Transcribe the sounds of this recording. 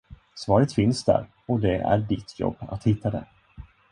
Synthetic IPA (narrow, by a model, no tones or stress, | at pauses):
svɑːɾət̪fɪnsd̪æ̰ɾ | ɔd̪ɛæ̰ɖɪt̪ʰːjɔ̰bːa̰t̪hɪt̪ʰːad̪ɛ̰